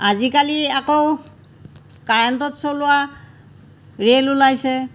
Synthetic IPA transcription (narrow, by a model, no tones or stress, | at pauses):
azikaliakow | kaɹɛntɔtsolʊwa | ɹelulajsɛ